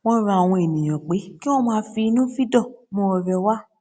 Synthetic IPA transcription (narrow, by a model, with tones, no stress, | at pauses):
w̃ɔ̃˦ɾa˧a˨w̃ɔ̃˧e˨nĩ˨j̃ã˨k͡pe˨˦ki˦w̃ɔ̃˦mãː˦˧fi˧i˧nũ˦fi˦dɔ˦˨mɔ̃˧˦ɔ˧ɾɛ˧wa˦